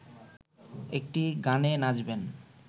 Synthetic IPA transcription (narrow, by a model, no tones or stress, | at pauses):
ek̚ʈiɡanenad͡ʑben